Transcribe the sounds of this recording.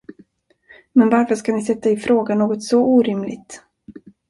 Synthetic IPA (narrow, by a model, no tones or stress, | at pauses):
mɛnvaɾfəʂkanɪsɛt̪ːaɪfɾoːɡanoːɡɔt̪sɔʔuːɾɪmlɪ̰ɡt̪